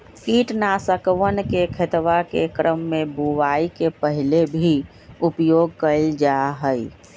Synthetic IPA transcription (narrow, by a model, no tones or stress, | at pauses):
kiʈnasəkʋənkekʰet̪ʋakḛkɾʔəmːebuʋaikepəɦilebʱi | upjoɡ̚kəɪld͡ʒaɦəj